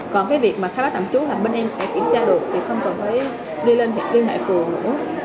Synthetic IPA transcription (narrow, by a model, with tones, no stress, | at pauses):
kɔ˨˩nkaː˨˦jvi˨˩k̚maː˨˩xʰaː˨˦˥ɓaː˦˥t̪a̰˧˩mt͡ɕu˨˦laː˨˩ɓe˧nʔɛ˧msɛ̰˧˥kḭ˧˩əmt͡ɕaː˧ɗɨ˨˩ək̚t̪ʰi˨˩xə˧wŋ͡mkɔ˨˩nt̪ʰə˨˦j | ɗi˧le˧nɦḭ˧˨nli˧ənɦa̰ː˧˨jfɨ˨˩əŋnɨ̰˧˥ə